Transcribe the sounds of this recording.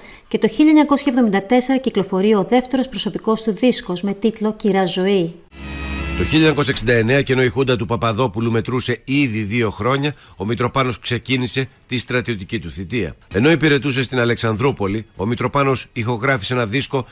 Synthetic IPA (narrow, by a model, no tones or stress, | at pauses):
ce̞t̪o̞çiʎɐeɲɐko̞sçɐevðo̞mind̪ɐt̪e̞se̞ɾɐciklo̞fo̞ɾioðe̞ft̪e̞ɾo̞spɾoso̞piko̞st̪uðisko̞zme̞t̪it̪lo̞ciɾɐzo̞i | t̪o̞çiʎɐeɲɐko̞s̬çɐeksind̪ɐe̞ne̞ɐceno̞ixund̪ɐt̪upɐpɐðo̞pulume̞t̪ɾuse̞iðiðio̞xɾo̞ɲɐo̞mit̪ɾo̞pɐno̞skse̞cinise̞t̪ist̪ɾɐt̪io̞t̪icit̪uθit̪iɐ̰e̞no̞ipiɾe̞t̪use̞st̪inɐle̞ksɐnðɾopo̞lio̞mit̪ɾo̞pɐno̞sixo̞ɣɾɐfi̥seenɐðisko̞